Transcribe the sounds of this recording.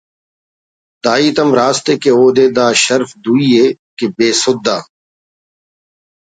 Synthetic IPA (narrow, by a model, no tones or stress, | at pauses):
d̪aːiːt̪ɐmɾaːst̪eːkeoːd̪eːd̪aːʃəɾfd̪uːiːeː | kebeːsʊd̪ːaː